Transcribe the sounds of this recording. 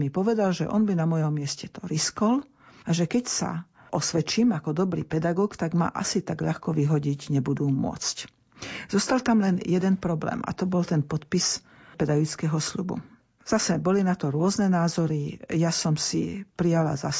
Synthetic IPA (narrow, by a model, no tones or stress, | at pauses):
mipɔʋɛd̪alʒɛ̰ʔɔ̰nbinamɔjɔmːɪɛscɛt̪ɔɾiskɔl | aʒɛkɛcsa̰ | ʔɔsʋɛt͡ʃiːmakɔd̪ɔbɾḭpɛd̪aɡɔːkt̪aɡma̰ʔa̰sit̪aɡʎaxkɔʋiɦɔɟiɟɲɛbud̪uːmʊɔ̰t͡sc | z̥ɔst̪alt̪amlɛnjɛd̪ɛnpɾɔblɛ̰ːma̰t̪ɔbɔlt̪ɛnpɔt̪pis | pɛd̪aɡit͡skɛɦɔsʎubṵ | z̥asɛbɔlinat̪ɔɾʊɔznɛnaːzɔɾijasɔmsḭpɾijala̰zas